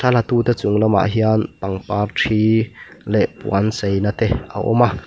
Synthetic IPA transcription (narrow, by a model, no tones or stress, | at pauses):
sʰalat̪uːt̪ɛt͡sʊŋlɔma̰ʔɦiant̪aŋpaːrʈ͡ʂʰiːlɛʔpṵansejnat̪ɛa̰ʔɔ̰maʔ